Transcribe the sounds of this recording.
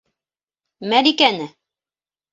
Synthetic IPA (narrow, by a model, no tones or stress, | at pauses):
mæɾikænɘ